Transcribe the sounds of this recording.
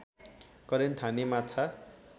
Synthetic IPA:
kʌɾent̪ʰanemat͡sʰa

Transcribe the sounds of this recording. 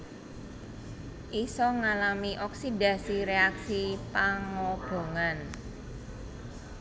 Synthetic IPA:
ʔisɔŋalamiʔɔksidä̤siɾeaksipaŋɔb̥o̤ŋan

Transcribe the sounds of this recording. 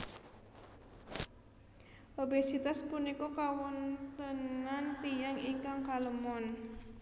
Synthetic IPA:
ʔobesit̪aspunikokawɔnt̪ənant̪ijaŋiŋkaŋkaləmɔn

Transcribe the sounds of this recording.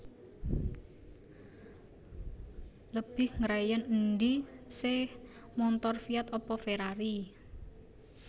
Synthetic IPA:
ləb̥ɪhŋɾajənənd̪isɪh | mɔnt̪ɔrfiat̪ɔpɔfeɾaɾi

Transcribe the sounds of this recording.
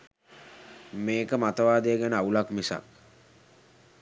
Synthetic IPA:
meːkəmat̪əʋaːd̪ejəɡænəaulakmisa̰k

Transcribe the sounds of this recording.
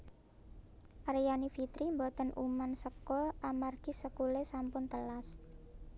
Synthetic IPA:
ʔaɾjanifit̪ɾimbɔt̪ənʔṵmansəkʊlamarɡ̥isəkulesampʊnt̪əlas

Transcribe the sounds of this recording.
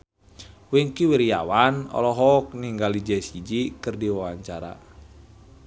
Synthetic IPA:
wiŋkiwiɾia̰wanɔ̰lɔɦɔk̚niŋɡalid͡ʒɛsid͡ʒikɨrdiwawaɲt͡ʃaɾa̰

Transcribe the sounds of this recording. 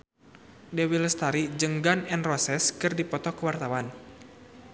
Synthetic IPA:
dɛwiləst̪aɾid͡ʒəŋɡanɛnrɔsɛskɨrdipɔt̪ɔkəwart̪awan

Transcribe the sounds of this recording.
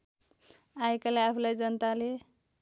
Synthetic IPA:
ajkalajapʰlajd͡zənt̪ale

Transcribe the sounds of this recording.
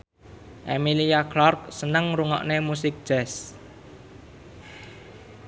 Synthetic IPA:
ʔemiliaklɔrk̚sənəŋɾuŋɔ̰ʔnemusɪk̚d̥ʒ̥ɛs

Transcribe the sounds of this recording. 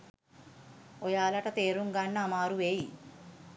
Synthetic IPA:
ɔjaːlɐʈɐt̪eːɾuŋɡaɳːamaːɾuʋeːji

